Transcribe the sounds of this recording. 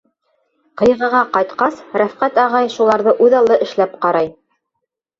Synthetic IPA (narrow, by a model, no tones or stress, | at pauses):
qɤ̆jʁɤ̆ʁɑqɑjt̪qɑsɾæfqæt̪ɑʁɑjʃulˠɑɾðɤʔʉðɑlˠːɤʔɘ̆ʃlæp̚qɑɾɑj